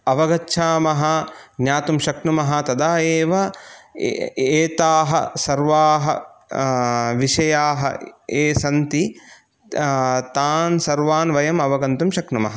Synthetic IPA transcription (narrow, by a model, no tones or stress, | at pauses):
ɐʋɐɡɐtːʃʰaːmɐɦɐnjaːt̪umʃɐknumɐɦɐt̪ɐd̪aːjeːʋɐ | eːt̪aːɦɐ̰sɐɾʋaːɦɐ̰ | ʋiʃɐjaːɦɐ̰eːsɐnt̪i | t̪aːnsɐɾʋaːnʋɐjɐmɐʋɐɡɐnt̪umʃɐknumɐ̰ɦɐ